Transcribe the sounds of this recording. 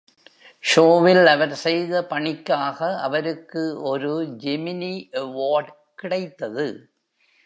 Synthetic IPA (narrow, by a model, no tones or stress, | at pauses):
ʃoːʋɪlɐʋɐɾsɛjðɐpɐɳɪkːaːɣɐɐ̰ʋɐɾɯkːɯɔɾɯd͡ʒɛmɪniʔɐʋoːɖ | kɪɽɐɪt̪ːɐðɯ